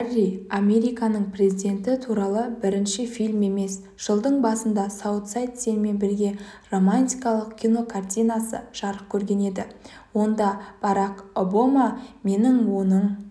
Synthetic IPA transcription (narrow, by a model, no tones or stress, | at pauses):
riame̞ɾijkɑnəɴpʰre̞zid̪ʲe̞nt̪ɪt̪ʰuɾɑlˠəbɪɾɪnʃɪfilʲme̞me̞s | ʒ̥əlˠd̪əɴbɑsənd̪ɑsowt̪sajt̪senme̞nbɪɾɡʲe̞ro̞manʲt̪ʲijkɑlˠəqkʲʰijno̞kʰart̪ʲijnasə̰ʒ̥ɑɾəp̚kʲʰɵɾɡʲe̞ne̞d̪ɪwo̞nd̪ɑb̥ɑɾɑko̞bamame̞nɪŋwo̞nəɴ